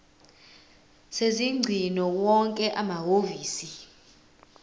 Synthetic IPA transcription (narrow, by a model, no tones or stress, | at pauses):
seziŋ͡ǀʱinɔwɔŋkʼɛʔamaɦoviːsi